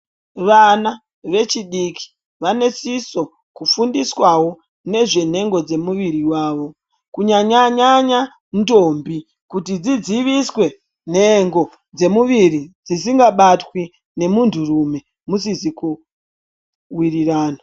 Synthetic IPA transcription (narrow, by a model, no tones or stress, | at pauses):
ʋana | ʋe̞t͡ʃiɗikʰi̥ | ʋane̞siso̞ | kufundiswawo̞ | ne̞ʐe̞n̤e̞ŋɡo̞d͡ze̞muʋiɾiwaːʋo̞ | kuɲaɲaɲaɲa | ndo̞mbi | kutid͡zid͡ziʋiswe̞ | n̤e̞ŋɡo̞ | d͡ze̞muʋirid͡zisiŋɡaɓatwi | ne̞muntʰurume̞ | musiziku | wiriraːna